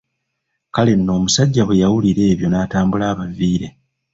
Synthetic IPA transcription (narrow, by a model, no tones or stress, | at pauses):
kale̞nːo̞ːmusaɟːaβejawuliɾe̞ːβjo̞naːtaːmbulaːβaviːɾe̞